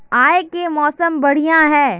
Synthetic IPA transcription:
aːekemɔːsəmbɐɽ̤ijãɦɛː

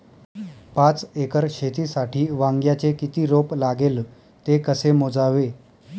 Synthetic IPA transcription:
pat͡sekəɾɕet̪iːsaʈʰiːʋaŋɡjat͡sekit̪iːɾoplaɡel | t̪ekəsemod͡zaʋe

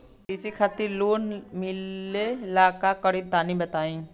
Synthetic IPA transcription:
ɪsikʰaːt̪ɪɾloːnmɪlelaːkakəɽit̪aːnibət̪aːĩː

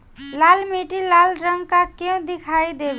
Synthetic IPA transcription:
lalmeʈilalɾʌŋkakẽw̃d̪ikʰajd̪eb

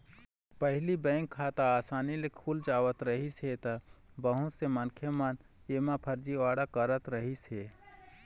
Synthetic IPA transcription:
pəɦɪlibɛ̃ːŋkʰːaːt̪aaːsaːnilekʰuːld͡ʒaːwət̪ɾəɦiset̪a | bəɦʊ̃tsemənkʰemən | eːmãpʰɐɾd͡ʒiʋaːɽakəɾət̪ɾəɦiseː

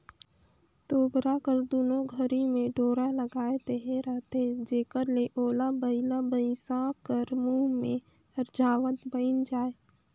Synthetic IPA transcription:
t̪oːbɾakəɾd̪oːnoɡʱəɾimẽɖoːɾaləɡaːet̪eɦeɾəɦt̪ed͡ʒeːkəɾleʔoːlabəɪlabəɪsãkəɾmuːɦmẽ | əɾd͡ʒaːwət̪bəɪnd͡ʒaːe

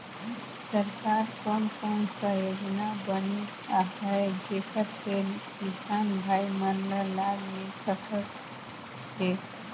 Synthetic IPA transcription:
səɾkaɾkonkonsəjod͡ʒnabəne | aɦəɡʱekʰət̪fʰelkisanbʱaimənləlːaɡmet͡ʃəkʰət̪ | ɦe

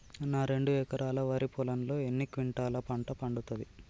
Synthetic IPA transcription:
naːɾe̞ɳɖuɛːkɐɾʔaːlɐʋɐɾipɔlɐnlo̞ːe̞nːikʋiɳʈaːlɐpɐɳʈɐpɐɳɖut̪ɐd̪i

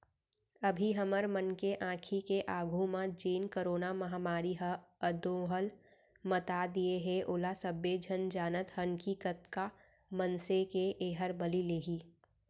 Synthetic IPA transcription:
ɐbʱiɦəməɾmənkeʔãːkʰikeʔaːɡʱumãd͡ʒiːnkəɾoːnamɐɦaːmaːɾiɦəəd̪õɦəl | mət̪ad̪ieɦeʔoːlasəbed͡ʒʱənd͡ʒaːnət̪hənkikət̪ka | mənsekeʔeːɦəɾbəlileːɦiː

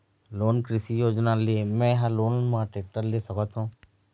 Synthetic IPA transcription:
loːnkɾɪsijoːd͡ʒnalemɛ̃jɦãloːnmãʈɾeːk̚ʈəɾlesəkət̪ɦũː

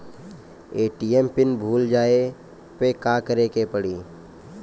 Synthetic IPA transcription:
eːʈiːempɪnbʱuːld͡ʒaːe | pekaːkəɾekepəɽiː

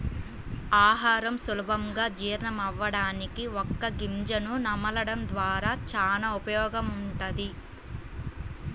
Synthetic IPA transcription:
aːɦaːɾɐmsulubʱɐmɡaːd͡ʒiːɾɳɐmɐʋːɐɽaːnikiɔkːɐɡimd͡ʒɐnunɐmɐlɐɽɐmd̪ʋaːɾaːt͡ʃaːnaːupɐjɔːɡɐmuɳʈɐd̪i

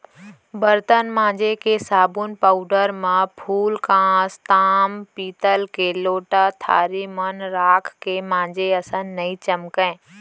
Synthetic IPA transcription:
bəɾt̪ənmãːd͡ʒekesaːbunpaːʊɖəɾmẽpʰuːlkãːst̪aːmpiːt̪əlkeloːʈat̪ʰa̰ːɾimənɾaːkʰkemãːd͡ʒeəsə̃nːɐĩt͡ʃəmkɛ̃ː

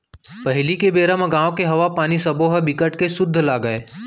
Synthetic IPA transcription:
pɐɦɪlikebeːɾãmãɡãːõkeɦɐʋapaːnisɐbʱoɦɐbɪkəʈkesʊd̪ʱːlaːɡəeː

